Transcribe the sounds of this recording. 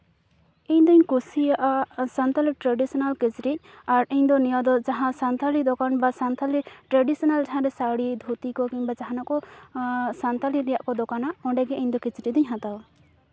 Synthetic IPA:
iɲd̪ɔiɲkusijaʔasant̪aliʈɾaɖisɔnalket͡ʃɾic̚ | aɾiɲd̪ɔnijad̪ɔd͡ʒaɦãsant̪alid̪ɔkanbasant̪ʰaliʈɾaɖisɔnalʈaãɾɛsaɽid̪ʱut̪ikɔkiɲbad͡ʒaɦanakʼɔ | sant̪aliɾɛjaʔkɔd̪ɔkanaʔɔ̃ɖɛɡɛɛɲd̪ɔket͡ʃɾid̪iɲɦãt̪aw

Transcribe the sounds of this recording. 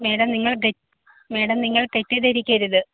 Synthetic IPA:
meːɽɐmniŋːɐɭɖe | me̞ːɽɐmniŋːɐɭʈetːeðeɾikʲːɐɾuðɨ

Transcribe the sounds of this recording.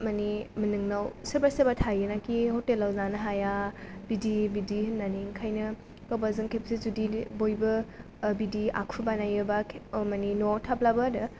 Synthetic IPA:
maniminɯŋnawsebasebatʰajɯnakihotelːawzanɐɦajabidibidihɯnːaniŋkʰajnɐ | kawbazɯŋkʰepsizudibojbɐ | bidia̰kʰubanajɯbakʰmaninotʰap̚labadɐ

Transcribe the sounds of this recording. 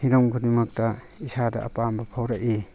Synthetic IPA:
hiɾɔŋɡudimɐk̚tɐ | isada̰ːpambɐpʰawɾaʔi

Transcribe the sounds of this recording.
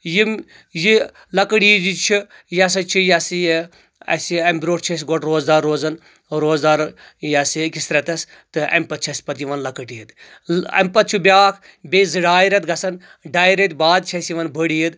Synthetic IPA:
jim | ji | lɐkəʈiːd̪it͡ʃʰi | jɐs̬ɐt͡ʃʰijɐsij | ɐ̰siɐmʲbʲɾoːʈt͡ʃʰɐs̬ɡoʈɾoːzd̪aːɾːoːzɐn | ɾoːzd̪aːɾ | jɐsikisɾɐt̪ɐs | t̪ɨʔɐ̰mʲpɐt̪̚t͡ʃʰɐsʲpɐt̪jiʋɐnlɐkəʈijid̪ | ɐ̰mʲpɐt̪̚t͡ʃʰubʲaːkʰ | bʲezɨɖaːjiɾɐt̪ɡɐsɐn | ɖaːjɾɐt̪ʲbaːd̪̚t͡ʃʰɐsiʋɐnbəɽijid̪

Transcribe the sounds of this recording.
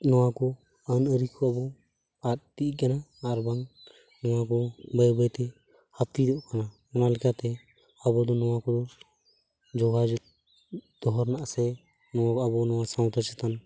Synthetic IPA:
nɔwakɔ | ənəɾikʰɔabɔ | at̪̚t̪ikanaːɾbaŋ | nɔwakɔbəjbəjt̪ɛ | hat̪id̪ɔʔkana | ɔnalɛkat̪ɛ | abɔd̪ɔnɔwakɔd̪ɔ | d͡ʒɔɡad͡ʒu | d̪̥ɔɦɔɾnaʔsɛ | nɔaabɔnɔwasaw̃t̪at͡ʃɛt̪an

